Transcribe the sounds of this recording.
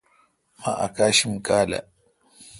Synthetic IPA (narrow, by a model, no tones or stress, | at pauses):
maʔa̰kaːʃimkʼaːla̰